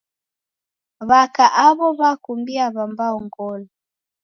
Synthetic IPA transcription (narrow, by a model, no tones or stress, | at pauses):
βakaʔaβɔβakumbiaβambaɔŋɡɔlɔ